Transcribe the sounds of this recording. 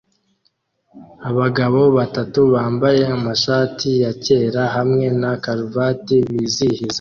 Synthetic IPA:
aβaɡaβo̞βatatuβaːmbaje̞amaʃaːtʰijace̞ːɾaɦamŋe̞nakaɾuvaːtiβiːzihiza

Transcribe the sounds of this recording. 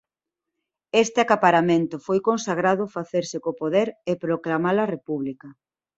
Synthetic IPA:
est̪ɪakapaɾamẽnt̪ʊfojkonsaɣɾaðʊfaθeɾsɪkopoðɛɾepɾoklamalarepuβlikɐ

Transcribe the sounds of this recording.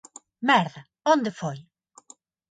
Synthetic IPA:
mɛɾðɐ | ond̪efoj

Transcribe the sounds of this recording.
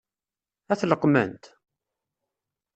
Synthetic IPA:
æθləqːmə̰nt̪

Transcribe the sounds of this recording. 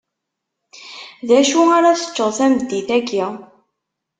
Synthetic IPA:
ðæʃuaɾasə̥t͡ʃːəðˤθæməd̪ːiθæɡæ

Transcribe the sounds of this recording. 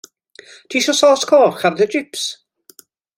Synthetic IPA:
tʰiːʃɔsɔːskʰɔːrχarðəd͡ʒɪps

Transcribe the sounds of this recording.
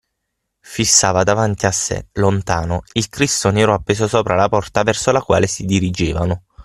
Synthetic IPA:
fisːaːvad̪avant̪iasːḛlont̪aːnoilkɾist̪onɛɾoapːeːsosoːpɾalapɔrt̪avɛrsolakwa̰ːlesid̪iɾid͡ʒeːvano

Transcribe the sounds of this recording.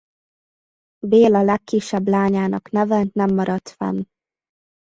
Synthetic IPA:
beːlɒlɛkːiʃːɛblaːɲaːnɒ̰knɛvɛnnɛmːɒɾɒt̪fɛ̰n

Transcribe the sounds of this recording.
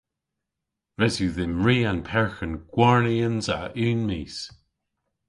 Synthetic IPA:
ɹɛzuːðɪmɹiːanpʰɛɹxənɡ̥waɹniənza̰ʔʉːnmiːs

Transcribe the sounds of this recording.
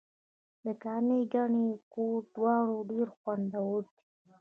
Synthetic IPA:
d̪əkɑneɡaɳekoɾd̪wɑːɽoɖeɾxwand̪awəɾd̪i̥

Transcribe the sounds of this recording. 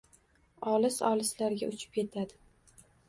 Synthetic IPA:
ɒlɪsɒ̰lɪslaɾɡʲaʔʊt͡ʃʰɪ̥p̚kʲe̞t̪ʰad̪ɪ

